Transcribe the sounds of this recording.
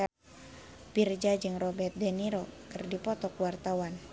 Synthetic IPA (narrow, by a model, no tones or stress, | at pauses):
a | pird͡ʒad͡ʒɨŋrobɛt̪̚dɛniɾokɨrdipɔt̪ɔkwart̪awan